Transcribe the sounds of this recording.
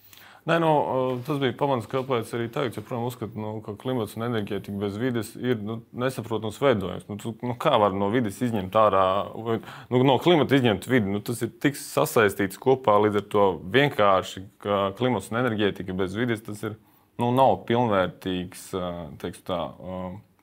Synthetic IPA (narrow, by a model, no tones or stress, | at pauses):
nɛnut̪asbijpamanskalpɛːjt̪saɾiːt̪aɡat̪sjopɾuɔjamuskɐt̪nukaklˠimat̪sunɛnɛɾɡʲɛːt̪ikbezʋid̪ɪsiɾnunesɐpɾuɔt̪ɐmsʋɛjd̪uɔ̰jṵmsnut̪unukaːʋaɾnuɔvid̪ɪsizɲʲɛmt̪aːɾaːajnunuɔklˠimat̪izʲɲɛmt̪ʋid̪inut̪asiɾt̪ikssa̰sajst̪iːt̪skuɔpaːlˠiːd̪zaɾt̪uɔviɛŋkʰaːɾʃikaklˠimat̪sunɛnɛɾɡʲɛːt̪ikəbɛzʋid̪ɪst̪asiɾ | nunawpilˠnʋɛːɾt̪iːkst̪ɛkst̪a̰ː